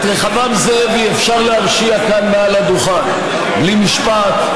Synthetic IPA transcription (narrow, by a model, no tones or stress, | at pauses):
t̪ʁeχavamzeviefʃaʁleaʁʃiakanmealad̪uχan | limiʃpat̪